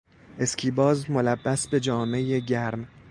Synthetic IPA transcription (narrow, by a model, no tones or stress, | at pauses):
ʔe̞scʰiːbɒːzmo̞læbːæsbe̞d͡ʒɒːme̞jeɟæɾm